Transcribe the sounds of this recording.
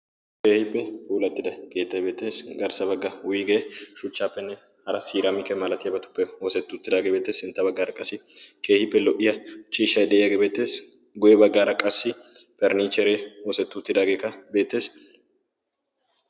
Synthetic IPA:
ke̞ːhɪpːɛuːlɐt̪ːɪd̪ɐɡ̥e̞ːt̪ːɐjbe̞ːt̪ːe̞ːsɡɐɾsɐbɐɡːɐwʊjɪɡeːʃʊt͡ʃːaːpːɛnːɛ | hɐɾɐsiːɾɐmɪkɛmɐlɐt̪ɪjɐbɐt̪ʊ̥pːɛwoːsɛt̪ːʊt̪ːɪd̪aːɡebeːt̪ːeːsɪnt̪ːɐbɐɡːaːɾɐkʼɐsːɪke̞ːhɪpːɛlɔʔɪjɐt͡ʃʼiːʃɐjᶑɛʔɪjɐɡebeːt̪ːe̞ːs | ɡʊjɛbɐɡːaːɾɐkʼɐsːɪpɛɾniːt͡ʃːɛɾewoːsɛt̪ːʊt̪ːɪd̪aːɡe̞ːkɐbe̞ːt̪ːe̞ːs

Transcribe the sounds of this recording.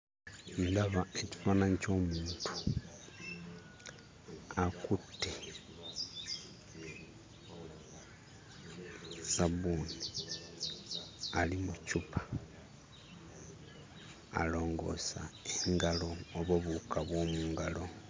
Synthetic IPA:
ndaβae̞ci̥faːnaɲico̞ːmuːntʰu̥ | akutːi | saβuni | alimucupʰḁ | a̰lo̞ːŋɡo̞̰sa̰eŋɡalo̞ːβoβukaβwo̞ːmuːŋɡalo̞

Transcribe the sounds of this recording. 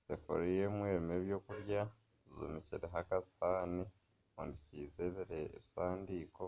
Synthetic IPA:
sefo̰ɾijemweːɾimeːβjo̞ːkuɾja | zo̰miciɾeɦakasaːni | o̰ndiciːzeβiɾeːβisaːndiːko̞

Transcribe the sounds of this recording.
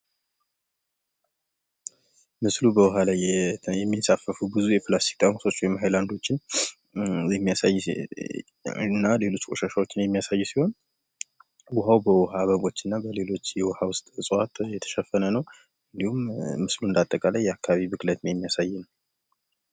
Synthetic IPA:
mɨslubəwɔɦalajjɛmːisafəfubɨzujɛplast̪ʰi̥k̚t̪ʼamso̞t͡ʃːwɔjmɦajland̪o̞t͡ʃːɪn | jɛmːijasajː | nːale̞lo̞t͡ʃːkʼoʃaʃawo̞t͡ʃːɪnjɛmːijasajːusiho̞n | wʊɦawbəwɔɦaβəβo̞t͡ʃːɨnːabəle̞lo̞t͡ʃːjɛwɔhawʊst̪ʼsʼat̪ʼjɛt̪ʰə̥ʃɛfːənənəw | ɨnd̪ihumːɨsluɨnd̪at̪ʼːəkʼaləjːɛakʰːaβaβibɨklət̪njɛmːijasajːɪn

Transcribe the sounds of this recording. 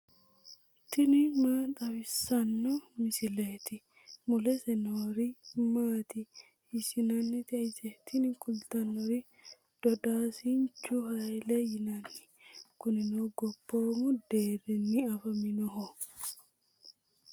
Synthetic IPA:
t̪ɪnɪmaːt̪ʼɐwɪsːɐnːɔmɪsɪleːt̪ɪ | mʊlɛsɛnoːɾimaːt̪ɪ | hɪsɪnɐnːɪt̪ɛʔɪsɛt̪ɪnɪkʼʊlt̪ɐnːɔɾɪ | d̪̥ɔd̪aːsint͡ʃːuɦɐjlɛjɪnɐnːɪ̥ | kʊnɪnɔɡɔbːoːmʊd̪eːɾɛnːɪɐfɐmɪnɔɦɔ

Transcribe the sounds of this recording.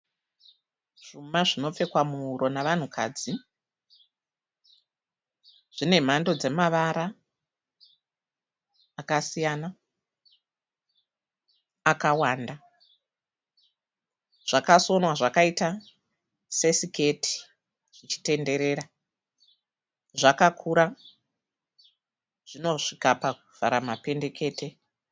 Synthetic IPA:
ʐ̥umaʐino̞p͡fe̞kwamuuɾo̞naʋan̤ukʰa̰d͡zi | ʐ̥ine̞m̤ando̞d͡ze̞maʋaɾa | kasijana | kawaːnda | ʐ̥akaso̞nwaʐakaita | se̞sike̞tʰi̥ | ʐ̥it͡ʃi̥te̞nde̞ɾe̞ɾa | ʐakakʰuɾa | ʐ̥ino̞ʂikapakuv̥a̰ɾamape̞nde̞ke̞ːtʰe̞

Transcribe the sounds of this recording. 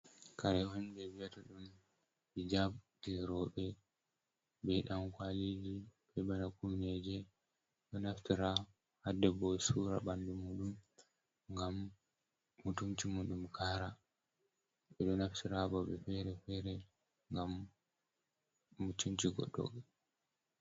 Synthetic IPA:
kaɾɛɔnbɛwijataɗun | bid͡ʒabtɛɾɔɓɛ | bɛɗamkwalid͡ʒiɓɛbanakumnɛd͡ʒɛ | ɗɔnaftiɾa | hadɛbɔsuɾa̰bandumuɗum | ŋɡamː | utunt͡ʃimuɗumkʰaɾa | ɓɛɗɔnaftiɾabɔɓɛfɛɾɛfɛɾɛ | ŋɡam | utunt͡ʃiɡɔ̰ɗːɔ̰ɡɛ

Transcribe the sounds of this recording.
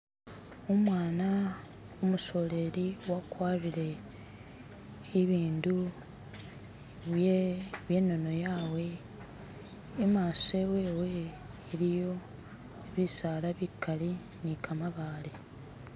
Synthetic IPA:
omwaːna | omuso̞le̞ɾiwakwaːβiɾe̞ | βiːndu | βjeβje̞nːo̞no̞jaːwe̞ | maːsewewe̞ː | ɾijo̞ | βisaːlaβikːali | nikʰamaβaːle

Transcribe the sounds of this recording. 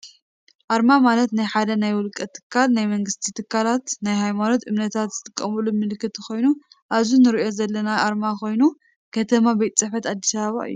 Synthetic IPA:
ʔaɾmamalɐt̪najħad̪ɐnajwʊlkʼɐt̪ʰːɨ̥kʰːalnajmɐŋɡɨst̪ʰit̪ʰɨkʰːalat̪najɦajmano̞t̪ʔɨmnɐt̪ʰat̪zɨt̪ʼɨkʼːɐmulumɨlɨkʰːɨt̪ɨxo̞jnu | ʔaβzunɨɾiʔo̞zɐlːɐnaʔaɾmako̞jnu | kʰɐt̪ʰɐmabɐjt̪ʼt͡sʼɨħɐt̪ad̪ːisaβaβa̰ʔɨ̰jːu

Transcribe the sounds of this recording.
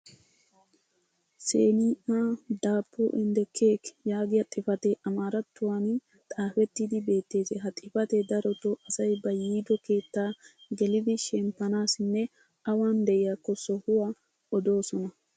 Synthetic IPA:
sḛːniːʔad̪aːpʰːuʔɪnd̪ɛkʰeːkjaːɡɪjɐt̪ʼɪfɐt̪ɛʔɐmaːɾɐt̪ːʊwaːnɪ | t̪ʼaːfɛt̪ːɪd̪ɪbe̞ːt̪ːe̞ːsɛɦɐt̪ʼɪfɐt̪ɛd̪ɐɾɔt̪oʔɐsɐjbɐjiːd̪ɔke̞ːt̪ːaːɡɛlɪd̪ɪʃɛmpːɐnaːsɪnːɛ | ɐwaːnd̪ɛʔɪjakːɔsɔhʊwɐ | ɔd̪o̞ːsɔnɐ

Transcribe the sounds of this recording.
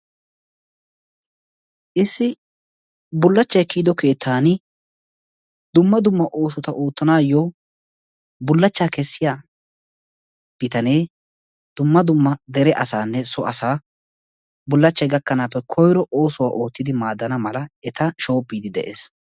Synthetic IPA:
ʔɪsːɪ | bʊlːɐt͡ʃːɐjkiːd̪ɔke̞ːt̪ʰːaːnɪ | d̪ʊmːɐd̪ʊmːɐʔoːsʊt̪ɐʔoːt̪ːɐnaːjoː | bʊlːɐt͡ʃːaːkɛsːɪjaː | b̥ɪt̪ɐne̞ː | d̪̥ʊmːɐd̪ʊmːɐd̪ɛɾɛʔɐsaːnːɛsɔʔɐsaː | bʊlːɐt͡ʃːɐjɡɐkːɐnaːpːɛkʰɔjɾɔʔo̞ːsʊwa̰ːʔo̞ːt̪ːɪd̪ɪmaːd̪ːɐnɐmɐlɐɛt̪ɐʃo̞ːpːiːd̪ɪd̪ɛ̰ʔe̞̰ːs

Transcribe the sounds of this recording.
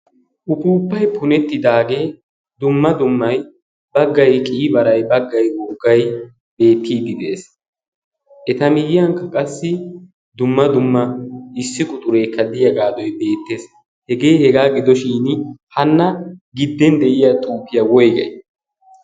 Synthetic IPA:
ʔʊpuːpːɐjpʰʊnɛt̪ːɪd̪aːɡeː | d̪ʊmːɐd̪ʊmːɐj | bɐɡːɐjkʼiːbɐɾɐjbɐɡːɐjwɔɡɐj | be̞ːt̪ːiːd̪ːɪd̪ees | ʔɛt̪ɐmɪjɪjɐŋkːɐkʼɐsːɪ | d̪ʊmːɐd̪ʊmːɐɪsːɪkʼʊt̪ʼʊɾe̞ːkːɐd̪ɪjɐɡaːd̪ɔjbe̞ːt̪ːe̞ːs | hɛɡe̞ːhɛɡaːɡɪd̪ɔʃiːnhɐnːɐɡɪd̪ːɛnd̪ɛʔɪjat̪ʼuːpːɪjɐwɔjɡɐ̰j

